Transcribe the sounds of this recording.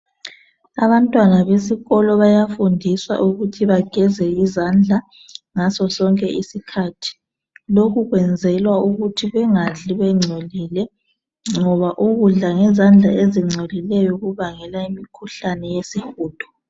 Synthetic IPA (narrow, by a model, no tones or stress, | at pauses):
aβantʼwanaβesiɣɔlɔβajafundʱiswa̰ʔuɣutʰiβaɡ̥ʱɛzɛizand͡ɮʱa | ŋasɔsɔŋkʼɛʔisikʰatʰi̥ | lokuɣwɛnd͡zʱɛlwauɣutʰiɣwɛŋaɮiβɛŋ͡ǀʱɔliːlɛ | ŋɔβaʔuɣuɮaŋɛzand͡ɮʱaeziŋ͡ǀʱɛlilɛjɔɣuβaŋɛlaimikʰuɬanɛjesixuːd̥ʱɔ̥